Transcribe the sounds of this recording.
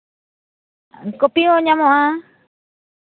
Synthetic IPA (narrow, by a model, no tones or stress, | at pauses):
ŋkopioɲamoʔa